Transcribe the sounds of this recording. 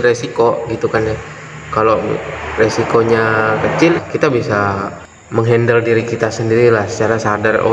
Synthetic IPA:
resikoɡit̪ukanja | kaloresikoɲakət͡ʃɪlkit̪abisa | məŋɦɛndəldiɾikit̪asəndiɾilahsə̥t͡ʃaɾasadaro̰

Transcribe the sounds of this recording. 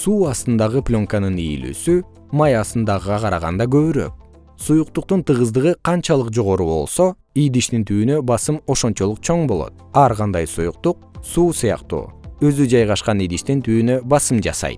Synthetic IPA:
suːɑst̪ɯnd̪ɑʁɯplʲo̞ŋkanɯnijḭly̰sy | mɑjɑst̪ɯnd̪ɑʁʁɑqʰɑɾɑʁɑ̰nd̪ɑɡø̞βyɾø̞̰k̚ | sujuq̚t̪uq̚t̪unt̪ɯʁɯzd̪ɯʁɯqʰɑnt͡ʃɑlˠɯqd͡ʒo̞ʁo̞ɾuβo̞̰lˠso̞ | ijd̪iʃt̪int̪ʰyːnø̞bɑsɯmo̞ʃont͡ʃo̞lˠuq̚t͡ʃʰo̞ɴbo̞lˠo̞̰t̪̚ɑɾʁɑnd̪ɑjsujuq̚t̪uq̚suːsɯjɑ̰qt̪ṵːø̞zyd͡ʒɑjʁɑʃqɑnijd̪iʃt̪int̪ʰyːnøbɑsɯmd͡ʒɑ̰sɑ̰jt̪̚

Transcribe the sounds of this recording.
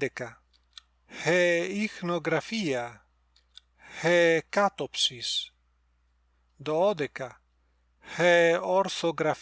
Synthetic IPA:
eka | heixnoɡɾafia | hekat̪opsis | d̪ood̪eka | heoɾθoɡɾaf

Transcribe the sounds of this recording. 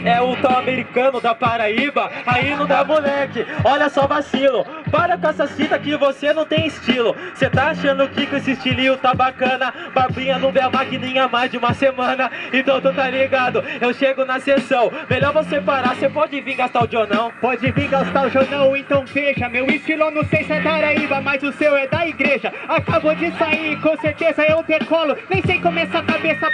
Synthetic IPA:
ɛʊt̪ãw̃ameɾikɐ̃nʊd̪ɐpaɾaibɐainɐ̃w̃d̪amulɛkɪɔʎɐsɔbasilʊpaɾɐkɛsɐsit̪ɐkɪvosenɐ̃w̃t̪ẽj̃ɪst͡ʃilʊset̪aaʃɐ̃nd̪ʊkɪkɪesɪst͡ʃiliʊt̪abakɐ̃nɐbabĩɲɐnɐ̃w̃vẽɐmakinĩɲɐmajzd͡ʒɪũmɐsemɐ̃nɐẽnt̪ɐ̃w̃t̪ot̪alliɡɐ̃d̪ʊewʃeɡʊnɐsesɐ̃w̃melɔɾvosepaɾasepɔd͡ʒɪvĩɾɡast̪awʒoɾnɐ̃w̃pɔd͡ʒɪvĩɾɡast̪aʊʒoɾnɐ̃w̃ẽt̪ɐ̃w̃feʃɐmewɪst͡ʃilʊɛwnɐ̃w̃sejsɛd̪aɾaibɐmɐzʊsewɛd̪ɐiɡɾeʒɐakabod͡ʒɪsaiɾkõseɾt̪ezɐewt̪eɾkɔlʊnẽj̃sẽjkõmesakabesɐ

